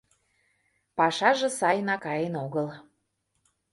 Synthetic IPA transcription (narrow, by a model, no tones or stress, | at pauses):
pɑʃɑʒɤ̆sɑjnɑkɑjenoɣəl